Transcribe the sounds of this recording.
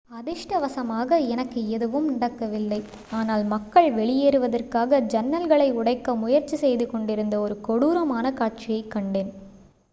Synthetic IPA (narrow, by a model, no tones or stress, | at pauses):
ɐðɪʂʈɐʋɐsɐmaːɣɐɛnɐkːɯɛðɯʋɯmnɪɽɐkːɐʋɪlːɐɪ | aːnaːlmɐkːɐɭʋɛɭɪjeːɾɯʋɐðɐrkaːɣɐd͡ʒɐnːɐlɣɐɭɐɪʊɽɐɪkːɐmʊjɐɾt͡ʃːisɛjðɯkɔɳɖɪɾɯnd̪ɐɔɾɯkɔɽuːɾɐmaːnɐkaːʈ̚t͡ʃɪjɐɪkːɐɳɖeːn